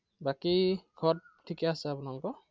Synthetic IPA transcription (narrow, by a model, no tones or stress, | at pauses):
bakiɡʰʱɔt̚tʰːikɛasɛapunaŋkɔ